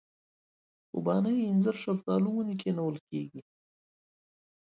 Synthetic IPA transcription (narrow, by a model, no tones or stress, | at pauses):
ṵbɑnəjɪnzəɾʂalt̪ɑluwunik̬ʰenawəlkeɡi